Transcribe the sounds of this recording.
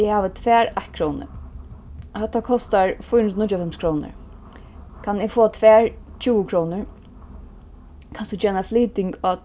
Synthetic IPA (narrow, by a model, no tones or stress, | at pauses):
ɪhaːʋət̪ʰʋɛːɹaht̪kʰɾɔːnɪ̰ | hɛt̪ːakʰɔst̪aɹfʊjənnɪt͡ʃːʊafɛmskʰɾɔːnə̰ɹ | kʰanɪɡfoːat̪ʰvɛːɹt͡ʃʰuːəkʰɾɔːnɪɹ | kʰansut͡ʃɛːnafliːt̪ɪŋkɔ